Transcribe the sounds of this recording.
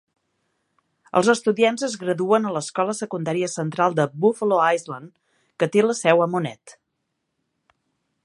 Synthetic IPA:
ə̰lˠzəst̪uðianzəzɣɾəðuənələskɔləsəkund̪aɾiəsənt̪ɾalˠd̪əbufəloajzlən | kət̪eləsɛwəmunɛ̰t̪

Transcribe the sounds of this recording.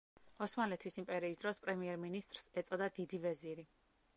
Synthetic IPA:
ɔsmalɛt̪ʰisimpʼɛɾiːsd̪ɾɔspʼɾɛmiɛɾminist̪ʼɾsɛt̪sʼɔd̪ad̪id̪ivɛziɾi

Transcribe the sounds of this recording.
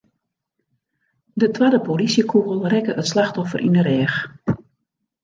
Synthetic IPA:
dətwadəpolisjəkʰuɣəlˠrɛkəʔətslaxtɔfə̰rʔḭnəɾɛːx

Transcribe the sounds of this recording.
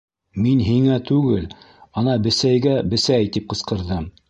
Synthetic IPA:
minɦiŋæt̪ʉɡɘl | ɑnɑbɘ̆sæjɡæbɘ̆sæjt̪ip̚qɤ̆sqɤ̆ɾðɤm

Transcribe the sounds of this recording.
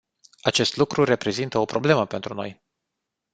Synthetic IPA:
at͡ʃe̞st̪lukɾure̞pɾe̞zint̪əo̞pɾo̞ble̞məpe̞nt̪ɾuno̞̰j

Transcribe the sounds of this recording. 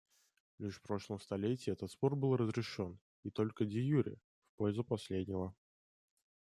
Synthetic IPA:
lʲiʂfpɾo̞ʂlˠəmst̪ɐlʲetʲɪjəɛt̪ət̪sport̪̚bɨlˠrəzɾʲɪʂo̞n | it̪o̞lʲkədʲɪjuɾʲɪ̰ | fpojɪzəpɐsʲlʲedʲnʲɪvə

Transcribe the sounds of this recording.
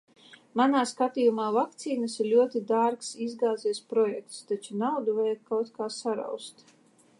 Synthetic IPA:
manaːskat̪iːjumaːvak̚t̪siːnasiɾlʲuɔt̪id̪aɾksizɡaːziɛspɾɔjɛk̚t̪st̪at͡ʃunawd̪uvajakkawt̪kaːsaɾa̰wst̪

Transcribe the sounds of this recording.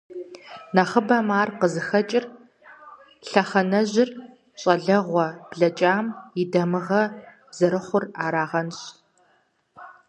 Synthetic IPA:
nɐχəbɐmaːrqəzɨxɐt͡ʃʼɪr | ɬɐχɐnɐʑɪr | ɕʼɐɮɐʁʷɔb̥ɮɐt͡ʃʼaːmɪdɐmɨʁɐ | bz̥ɐɾɨχʷʊraːɾaːʁɐnɕ

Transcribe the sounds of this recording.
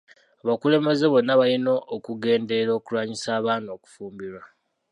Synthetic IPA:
aβakule̞me̞ze̞βo̞nːaβalino̞ʔːkuɡe̞ːnde̞ɾoːkulwaːɲisaːβaːno̞ku̥fuːmbiɾwa

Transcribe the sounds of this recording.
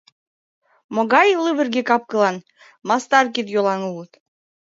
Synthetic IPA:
moɣɑjlɨβɘ̆rɡekɑp̚kɤ̆lˠɑn | mɑst̪ɑrk̬it̪jolˠɑnulət̪

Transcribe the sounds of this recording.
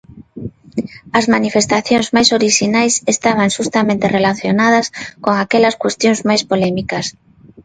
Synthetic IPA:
ɐzmanifest̪aθjoŋzmajsoɾiʃinajsest̪aβ̞aŋʃust̪amẽnt̪erelaθjonað̞ɐskoŋakɛlɐskwest̪jõŋzmajspolɛmikɐs

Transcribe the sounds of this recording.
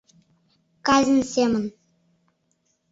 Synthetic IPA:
kɑzʲɘ̆nsʲemə̆n

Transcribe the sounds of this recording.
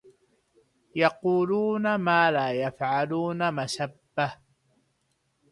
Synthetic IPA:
jɑquːluːnamaːlaːjafʕaluːnamasabːa

